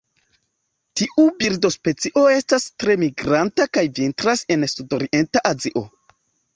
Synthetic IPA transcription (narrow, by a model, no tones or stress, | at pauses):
tiʔubiɾdo̞spe̞t͡siʔo̞e̞stastɾe̞miɡɾantakajvintɾase̞nsudoɾiʔe̞ntaʔaziʔo̞